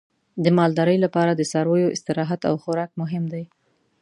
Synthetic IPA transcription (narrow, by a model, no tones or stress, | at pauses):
d̪əmɑld̪ɑɾəjlapɑɾad̪əsɑɾwojoʔɪst̪ɪɾɑɦat̪a̰wxʊɾɑkmʊɦɪmd̪aj